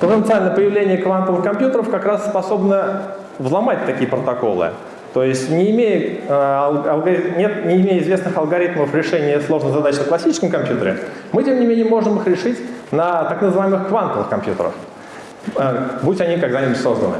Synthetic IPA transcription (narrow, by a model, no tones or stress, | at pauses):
pət̪ənt̪sɨalʲnəjəpəjɪvlʲenʲɪjəkvant̪əvɨxkɐmpʲjut̪əɾəfkɐkɾasːpɐso̞bnə | vzlˠɐmat̚ʲt̪ɐkʲijəpɾət̪ɐko̞̰lˠɨ̰ | t̪o̞jɪsʲtʲnʲɪːmʲejəlˠɐlˠɡɐinʲet̪nʲɪɪmʲejəɪzvʲe̞snɨxɐlˠɡɐɾʲit̪məfɾʲɪʂɛnʲɪjəslˠo̞ʐnəɣzɐd̪at͡ɕklˠɐsʲit͡ɕɪskəmkɐmpʲjut̪əɾʲɪ̰ | mɨtʲe̞mnʲɪmʲenʲɪjəmo̞ʐɨmɨxɾʲɪʂɨtʲnət̪aknəzɨvaɪmɨxkvant̪əvɨ̰xkɐmpjṵt̪ə̰ɾə̰f | butʲɐnʲikɐɡd̪anʲɪbutʲso̞zd̪ə̰nɨ̰